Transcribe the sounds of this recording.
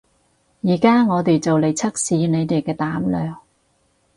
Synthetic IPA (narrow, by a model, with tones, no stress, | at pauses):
jiː˨˩kaː˥ŋɔː˨˧t̪e˨jt͡sɐ˨wle˨˧jt͡sʰɐ˥k̚siː˨˧ne˨˧jt̪e˨jkɛː˧t̪aː˨˥mlœː˨˩ŋ